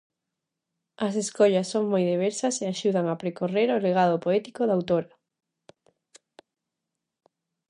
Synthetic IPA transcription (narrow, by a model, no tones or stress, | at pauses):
ɐs̬eskoʎɐsːoŋmojðeβ̞eɾsɐseaʃuðaŋapɾekoreɾoleɣ̞aðopoɛt̪ikoðawt̪oɾɐ